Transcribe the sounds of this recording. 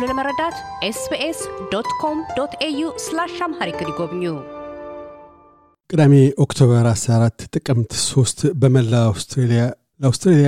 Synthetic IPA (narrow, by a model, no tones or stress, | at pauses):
luləməɾəd̪at̪ʔesbeʔesd̪ot̪kʰomd̪ot̪ʰejuslaʃamhaɾikɨniɡoβɲːu | kʼɨd̪ameokt̪ʰo̞βəɾasɾaɾat̪ːt̪ʼɨkʼɨmt̪so̞st̪bəməlːaawst̪ɾelija | ləawst̪ɾelija